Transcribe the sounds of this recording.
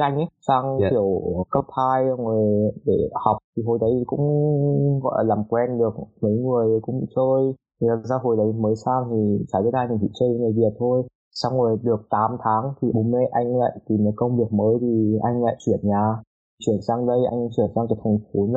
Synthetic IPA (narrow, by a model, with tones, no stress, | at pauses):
ʔa˧jŋ̟ʔsaː˧ŋʰi˧˩əwkə˦˥p̚t̪ʰaː˧jə˧ŋə˨˩ɗe˧˩ha˨˩wk͡p̚t̪ʰi˨˩ɦo˧˩jɗə˨˦jkʊ̰˧˥ŋ͡mɣɔ̰˧˨ʔlaː˨˩mkwɛ˧nɗɨ˨˩ək̚mə˨˦jŋɨ˨˩əjkʊ̰˧˥ŋ͡mt͡ɕəː˧j | laː˨˩saː˧ɦo˧˩jɗə˨˦jməː˨˦jsaː˧ŋt̪ʰi˨˩t͡ɕa˧˩əː˨˦jhaː˧ɲ˧˩nt̪ʰḭ˧˩t͡ɕəː˧jə˨˦ŋɨ˨˩jvi˨˩ət̚t̪ʰo˧j | sa˧wŋ͡mŋɨ˨˩jɗɨ˨˩ək̚t̪aː˨˦mt̪ʰaː˨˦ŋt̪ʰi˨˩o˨˦mme˧˦ʔa˧jŋ̟la̰ː˧˨jt̪i˨˩mə˨˩kə˧wŋ͡mvi˨˩ək̚məː˨˦jt̪ʰi˨˩ʔa˧jŋ̟la̰ː˧˨jt͡ɕwi˧˩ənɲaː˨˩ | t͡ɕwi˧˩ənsaː˧ŋɗə˧jʔa̰˧jŋ̟t͡ɕwi˧˩ənsaː˧ŋkaː˨˦jt̪ʰa˨˩ŋ̟fu˨˦n˧